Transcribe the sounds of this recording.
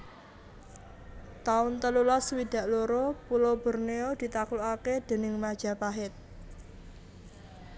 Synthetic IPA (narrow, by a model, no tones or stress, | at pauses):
t̪aʊnt̪əlulaswid̪̥ä̤ʔloɾopulob̥ə̤rneod̪̥i̤t̪akloaked̪̥e̤nɪŋmad̥ʒ̥a̤paɦɪt̪̚